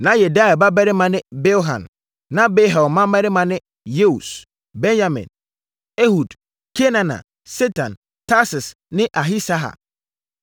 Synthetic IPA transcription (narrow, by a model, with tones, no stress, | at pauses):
nã˨˦jɛ˨da˦ɛ˨ba˦bɛ˦ɾɪ˦mã˨nɪ̃˦be˦ɦã̰˨nː | ã˦be˦ɦɛ˨mã˦mɛ˦ɾɪ˦mã˨nɪ̃˦ | je˦u˨s | bɛ̃˦nja˦mɪ̰̃˨n | e˦hu˨d | kʰe˦nã˨nã̰˨ | se˦tʰã˨n | tʰa˦sɪ˨s | nɪ̃˦ʔa˨ɦi˦sa˦ɦa̰˨